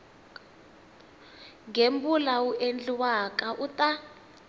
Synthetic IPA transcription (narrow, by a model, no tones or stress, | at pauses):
ŋɡembulawuʔend͡ɮiwakaʔutʼa